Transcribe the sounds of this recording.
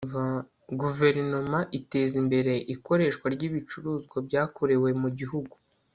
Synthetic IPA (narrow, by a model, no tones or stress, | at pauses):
va | ɡuve̞ɾno̞maʔite̞zimbe̞ɾe̞ʔiko̞ɾe̞ːʃkwaɾɟiβit͡ʃuɾuːzɡwabɟaːkoɾe̞we̞muɟiɦuɡu̥